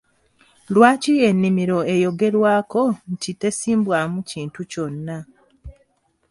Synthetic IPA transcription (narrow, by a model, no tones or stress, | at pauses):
lwaːcie̞nːimiɾo̞e̞jo̞ɡe̞ɾwaːko̞ncite̞siːmbwaːmuciːntuco̞nːa